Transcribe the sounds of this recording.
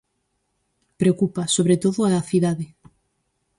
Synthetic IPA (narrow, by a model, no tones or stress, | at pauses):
pɾeokupasoβɾet̪oðoaaθiðaðe